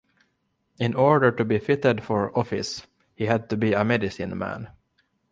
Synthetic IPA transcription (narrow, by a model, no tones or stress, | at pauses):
ɪ̃nɔɹɖə˞tɨbifɪtədfəɹɔfɪ̰s | hihæd̪̚t̪ɨbiəmɛdɪsĩnmæ̰̃n